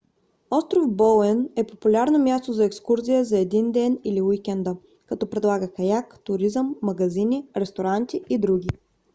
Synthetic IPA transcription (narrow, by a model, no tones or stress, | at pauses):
ɔst̪ɾofbɔlɛnɛpopulʲaɾnomʲjast̪ozɐɛkskuɾzʲijəzɐɛd̪ind̪ɛniliwikʲɛnd̪ə | kɐt̪ɔpɾɛd̪lˠaɡəkɐjakt̪ʊɾizəmːɐɡɐzinʲiɾɛst̪oɾant̪ʲiid̪ɾuɡʲi